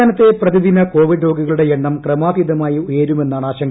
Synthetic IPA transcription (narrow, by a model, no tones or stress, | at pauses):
aːnɐt̪ːe̞prɐðiðinɐko̞ːʋiɖɾo̞ːɡiɣɐɭuɽe̞jeɳːɐmkrɐmaːʋiðɐmaːjiujɐɾume̞nːaːɳaːɕɐŋ